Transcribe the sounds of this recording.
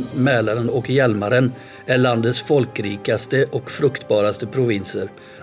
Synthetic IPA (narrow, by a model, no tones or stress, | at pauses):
mɛːlaɾənɔkjɛlmaɾən | æɭand̪ət̪sfɔlkɾiːkast̪əʔɔkfɾɵkt̪bɑːɾast̪əpʰɾʊvɪnsəɾ